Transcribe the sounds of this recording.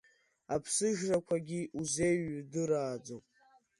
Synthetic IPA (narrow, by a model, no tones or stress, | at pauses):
apʰsɨʒrakʷʰaɡʲiʔuze̞jɥdɨɾaːd͡zopʼ